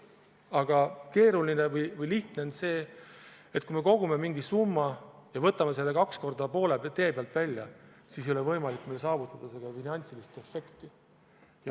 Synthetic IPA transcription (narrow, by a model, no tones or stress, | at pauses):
ɑɡ̥ɑke̞ːɾulinevɯjvɯjliht̪neonse̞ː | et̪ːˑkuime̞ko̞ɡ̥ume̞miŋɡ̥isumːɑjɑvɤt̪ːˑɑme̞s̬e̞lːe̞kɑksko̞rd̪ɑpo̞ːle̞t̪e̞ːpeɑlt̪vælʲːjɑ | sisejo̞lɛvɤjmɑlikːmejlsɑːvut̪ːˑɑd̪̥ɑseɡ̪̥ɑfinɑnʲt̪silist̪e̞fːe̞kt̪i | jɑ